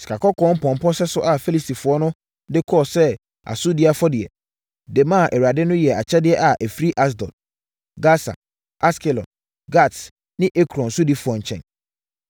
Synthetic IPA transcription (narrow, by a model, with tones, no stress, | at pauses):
si̥˨kʰa˨kʰɔ˦kʰɔ̃˦m̩˦pʰɔ̃˨m̩˨pʰɔ˦sɛ˦sʊ˦ʔa˨fe˦li˨si˨fʊ˨ɔ˦nʊ̃˦ | dɪ˦kʰɔ˦˨sɛ˦ | a̰˨sʊ˦di˦a˨fɔ˦dɪ˨ɛ˨ | dɛ˨mã˦˨ʔɛ˨ɥa˨dɪ˦nʊ̃˦jɛ˨a˨t͡ɕʰɛ˦dɪ˦ɛ˦ʔa˨ʔæ˨fɾi˦ʔa˦s̬dɔ̰˨t̚ | ɡa˦sa̰˨ | a˦skʰɛ˨lɔ̰˨ | ɡa˦˨t | nɪ̃˦ʔe˦kʰɾɔ̃˨n̩˨sʊ˦di˦fʊ˨ɔ˨ɲ̩˨t͡ɕʰɛ̰̃˨n